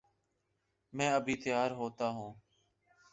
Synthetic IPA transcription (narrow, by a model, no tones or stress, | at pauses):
mɛ̃ːəbʱiːt̪ɪjaːɾɦoːt̪aːɦũː